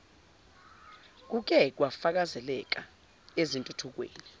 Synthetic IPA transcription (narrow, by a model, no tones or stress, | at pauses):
k̬uk̬ɛk̬wafak̬azɛlɛk̬ʼa | ezintʼutʰuk̬wḛːni